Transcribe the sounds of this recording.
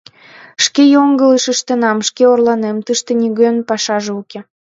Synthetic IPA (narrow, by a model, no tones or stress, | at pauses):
ʃkejoŋɡələʃəʃt̪ə̆nɑmʃkeorlɑnemt̪ɨʃt̪ĕnʲiɣønpɑʃɑʒeuke